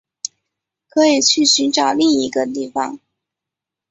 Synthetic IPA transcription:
kʰɤ˧˥i˨˩t͡ɕʰy˥˩ɕy˧˥nʈ͡ʂɑ˨˩ʊli˥˩ŋi˧˥ɡə˧t̪i˥˩fɑ̰˧˩ŋ

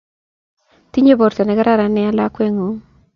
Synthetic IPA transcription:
ti˦ɲe˦bo˨ɾte˨nɛ˨kɛ˦ɾa˦ɾa˨nɛ˦a˦la˦kwe˦ŋo˨˦

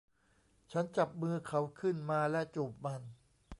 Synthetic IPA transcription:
t͡ɕʰa˦˥nt͡ɕa˨˩p̚mɯː˧kʰa˦˥wkʰɯ˥˩nmaː˧lɛ˦˥˩ʔt͡ɕuː˨˩p̚ma˧n

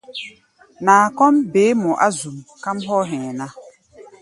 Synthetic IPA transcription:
naː˨kɔ˦mbeː˨˦mɔ̃˨ʔa˦zu˨mka˦mɦɔ˦ɦɛ̃˨na˦

